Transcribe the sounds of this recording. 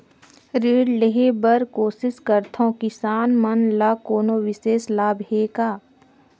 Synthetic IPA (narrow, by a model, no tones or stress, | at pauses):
ɾeːɖleɦebəɾkoːsɪskəɾt̪ʰõːkɪsaːnmɐnlaːkoːnoʋɪseːslaːbɦeːkaː